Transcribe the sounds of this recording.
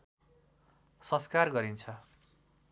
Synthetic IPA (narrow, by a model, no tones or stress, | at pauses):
sʌskarɡʌɾint͡sʰʌ